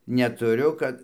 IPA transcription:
nʲɛtʊˈrʲʊ ˈkɐt

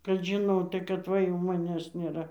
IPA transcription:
kɐt ʒʲɪˈnoːtɐɪ kɐt ˈʋɐ jɛʊ mɐˈnʲæːs nʲeːˈrɐ

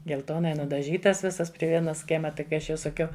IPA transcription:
ɡʲɛlˠˈtoːnɐɪ nʊdɐˈʒʲiːtɐs ˈʋʲɪsɐs pʲrʲɪ ˈʋʲiɛnɐs ˈkʲiɛmɐ ˈtɐɪ kɐɪ ˈɐʃ jɛʊ sɐˈkʲɛʊ

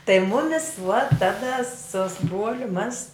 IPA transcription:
tɐɪ ˈmʊmʲɪs ʋuɔt ˈtɑːdɐ sʊ sʊ ˈbruɔlʲʊ mɐs

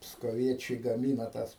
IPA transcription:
pskoːˈʋʲiɛt͡ʃʲɛɪ ɡɐˈmʲiːnɐ tɐs

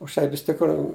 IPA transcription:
ʊʃ ˈtɐɪ ʋʲɪs tʲɪkˈruː

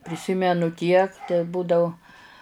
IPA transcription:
pʲrʲɪˈsʲɪmʲɛnʊ tʲiɛk tʲɛˈbuːdɐʊ

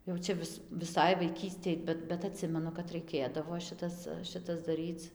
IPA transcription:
jɛʊ ˈt͡ʃʲɛ ʋʲɪs ʋʲɪˈsɐɪ ʋɐɪˈkʲiːsʲtʲeːj ˈbʲɛt bʲɛt ɐˈtʲsʲɪmʲɛnʊ kɐt rɐɪˈkʲeːdɐʋoː ˈʃʲɪtɐs ˈʃʲɪtɐs dɐˈrʲiːt͡s

